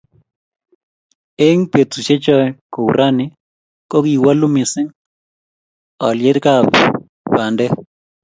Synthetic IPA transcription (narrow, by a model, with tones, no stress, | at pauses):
e˦ŋpe˨t̪u˨ʃe˦t͡ʃɔ˦ko˨u˨ɾʔa˦nɪ˦ | ko˦ɡi˨wa˦lʊ˦mɪ˨sɪ˦ŋ | ɔ̰˨lje˦ɾka˦˨b | ba˨ndɛ˦